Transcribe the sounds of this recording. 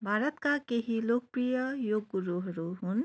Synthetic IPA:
bʱaːɾət̪kakeɦiloːk̚pɾijəjoːɡɡuɾuɦɾuɦʊn

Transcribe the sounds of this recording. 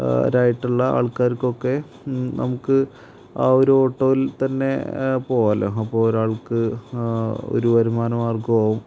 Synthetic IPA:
ɾajiʈːuɭːɐa̰ːɭkaːɾko̞kːe̞ | nɐ̰mukːɨ | aːoɾuoːʈːoːʋilt̪ɐnːe̞̰po̞ːjɐlɐ̰ɐpːo̞ːɭoɾaːɭkɨ | o̰ɾuʋɐɾumaːnɐmaːrkuʋɐːʋum

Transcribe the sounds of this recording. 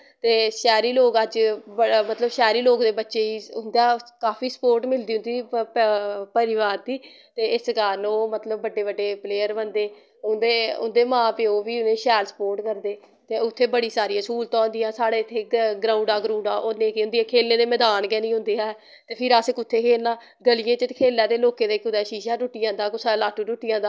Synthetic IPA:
t̪eːʃɛːɾiːloːkəd͡ʒbəmət̪ləbʃɛːɾiːloːkd̪eːbətːʃeːiːʊnd̪aːkaːpiːsə̥poːɾʈmɪld̪iːɦʊnd̪iː | pəɾɪʋaːɾd̪iː | t̪eːɪsɡaːɾnõːmət̪ləbːəɖeːbəɖːeːpleːəɾbənd̪eː | ʊnd̪eːʊ̰nd̪eːmãːpeoːʋiːʊnẽːʃɛːlsə̥poːɾʈkəɾd̪eː | t̪eːʊt̪ʰːeːbəɽiːsaːɾijãːskuːlt̪ãːnd̪ɪjãːsaːɽeːt̪ʰːeːɡɾãːũɳɖaːɡɾũːɳɖaːʔonẽːkːʊ̃nd̪iːɛ̃ːkʰeːlneːd̪eːmɛːd̪aːnkɛːnĩːɦʊ̃nd̪eːɛː | t̪eːpʰɪɾasɪkːʊt̪ʰːeːkʰeːãː | ɡəlijẽːt͡ʃəkʰeːlːãːd̪eːloːkeːd̪eːkʊd̪ɛːʃiːʃaːʈʊʈːɪjãːd̪aːkʊsʰaːlaːʈuːʈʊʈːɪjãːd̪aː

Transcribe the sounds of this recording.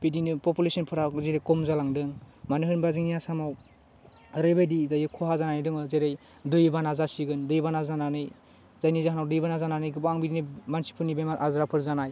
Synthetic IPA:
b̥idinɯpɔpulesɔnpʰɯɾazeɾejkɔmzalaŋdɯŋmanɯɦɯnbaziŋniasamaw | ɾebejdidajɯkʰɔɦazananidɯŋɯzeɾɯj | dɯjbanazasiɡɯndɯjbanazananɯj | z̥ajnizaɦanawdɯjbanazananɯjɡɯbaŋbidinɯmansi̥pʰɯnibemaɾʔazɾapʰɯɾzanaj

